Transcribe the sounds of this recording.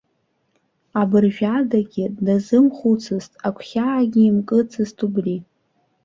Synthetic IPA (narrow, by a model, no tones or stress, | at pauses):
abɨrʒᶣadaɡʲɪdazɨmχut͡sʰɨztʼakʷʰχʲaːɡʲiːmkʼɨt͡sʰɨztʰubri